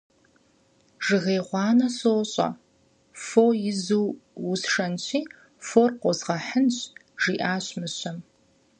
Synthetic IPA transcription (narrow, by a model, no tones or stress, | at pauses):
ʐ̥ɨʁeːʁʷɑːnɐsoːɕʼɐ̰ | foːjɪzuːwusʂɐnɕiː | foːrqʷɔzʁɐħənɕ | ʒ̥iːʔaːɕmɨɕɐm